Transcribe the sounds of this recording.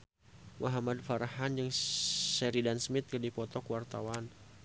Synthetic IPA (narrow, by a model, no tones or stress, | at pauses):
wʔaɦamad̚faɾaɦanjaŋsɛɾidansmɪt̪̚kədipɔt̪ɔkwart̪awan